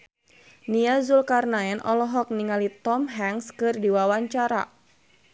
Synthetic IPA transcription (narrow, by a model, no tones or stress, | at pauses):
niazulkarnaɛnʔɔlɔɦɔk̚niŋalit̪ɔmɦɛŋskɨrdiwawaɲt͡ʃaɾa̰